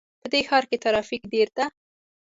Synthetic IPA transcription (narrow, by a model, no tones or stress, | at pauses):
pəd̪exɑɾket̪aɾɑfikɖeɾd̪a